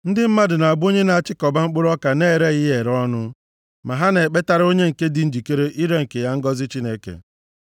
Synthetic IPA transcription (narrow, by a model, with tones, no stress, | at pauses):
n̩˦dɪ˦m̩˦ma˦dʊ˨na˨a˨bo˦ɲe˦na˨a˨t͡ʃɪ˦kɔ˨ba˦ŋ͡m̩˦k͡pʊ˦ɾɔ˦ka˨ne˦˨ɾe˦ɣɪ˦je˨ɾɔ˦nʊ˦ | ma˨ɦa˦ne˨e˨k͡pe˦ta˨ɾo˦ɲe˦ŋ̩˨ke˦dɪ˨n̩˦d͡ʒi˨ke˦ɾe˦ʔi˦ɾe˦ŋ̩˨ke˨ja˦ŋ̩˦ɡɔ˦zɪ˦t͡ʃi˦ne˦kḛ˨